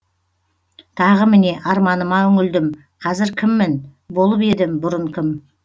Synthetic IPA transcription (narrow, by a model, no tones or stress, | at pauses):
t̪ʰɑʁəmɪne̞ʔɑɾmɑnəmɑɵŋɪld̪ɪm | qʰɑzɪɾkʲʰɪmːɪnbo̞lˠəpe̞d̪ɪmbʊɾəɴkʲʰɪm